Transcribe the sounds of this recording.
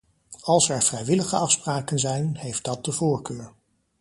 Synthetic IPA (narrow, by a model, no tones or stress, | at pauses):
ɑlˠsɛɹv̥rɛjʋɪləχəɑfspraːkənzɛjnɦejfd̥ɑt̚dəvʊːɹkøːɹ